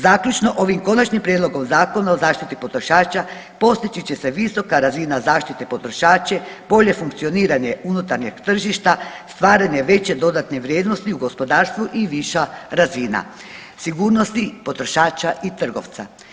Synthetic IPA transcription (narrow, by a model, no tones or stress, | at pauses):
zaːkʎut͡ʃno̞ʔo̞ʋimko̞nat͡ʃɲimpɾjed̪lˠo̞ɡo̞mzaːko̞nao̞zaːʃt̪it̪ipo̞t̪ɾo̞ʃaːt͡ʃa | po̞st̪it͡ʃit͡ɕeseʋiso̞kaɾazinazaːʃt̪it̪epo̞t̪ɾoʃaːt͡ʃeb̥o̞ʎe̞fuŋkt̪sio̞niːɾaɲeunut̪aɾɲeɡt̪r̩ʒiʃt̪ast̪ʋaːɾaɲe̞ʋe̞t͡ɕe̞d̪o̞d̪at̪neʋɾʲjeːd̪no̞st̪iuɡo̞spo̞d̪aːɾst̪ʋuʔiʋiʃaɾaziːna̰ | siɡuːɾnost̪ipo̞t̪ɾo̞ʃaːt͡ʃaʔit̪r̩ɡo̞̰ʋt̪sa̰